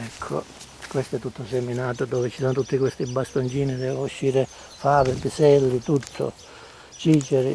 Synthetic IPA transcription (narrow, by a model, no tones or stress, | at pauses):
ɛkʰːo̰ | kwest̪oɛt̪ːut̪ʰːʊsemːinaːt̪ʊd̪ɔːvɪt͡ʃisoːnot̪ut̪ːikwest̪ibast̪ont͡ʃiːnid̪ɛːvuʃːiːɾɪ | faːbɪpisɛlːit̪ut̪ʰːʊ̰ | t͡ʃiːt͡ʃɛɾḭ